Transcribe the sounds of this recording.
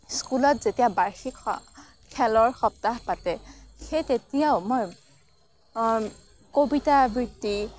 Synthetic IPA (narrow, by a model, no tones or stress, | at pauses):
skulɔtzetijabajxik | kʰɛlɔɹxɔp̚taɦpatɛxetetijaʊmoj | kobitabiɹti